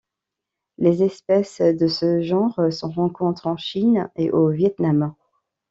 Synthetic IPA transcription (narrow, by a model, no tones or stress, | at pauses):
lezɛspɛsd̪əsəʒɑ̃ʁsɔ̃ʁɑ̃kɔ̃t̪χɑ̃ʃineʔovjɛt̪nam